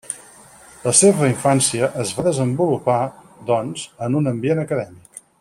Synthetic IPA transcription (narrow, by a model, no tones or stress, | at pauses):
ləseβəiɱfansiəʔəzβaðəzəmbulupa | d̪ɔnzənunəmbienəkəðɛmik